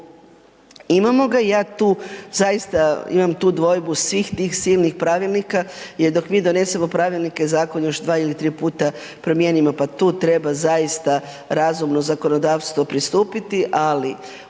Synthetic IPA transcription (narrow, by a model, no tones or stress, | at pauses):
imamo̞ɡajaːt̪uːzajist̪aḭmamt̪uːd̪ʋo̞jbusʋiːxt̪iːxsiːlˠnixpɾaʋilˠnikajeɾd̪o̞kmiːd̪o̞ne̞se̞mo̞pɾaʋilˠnike̞zaːko̞njo̞ʃd̪ʋaːilit̪ɾiːpuːt̪a | pɾo̞mje̞nimopat̪uːt̪ɾe̞bazajist̪a | ɾazumno̞zako̞no̞d̪aːʋst̪ʋo̞pɾist̪uːpit̪iʔali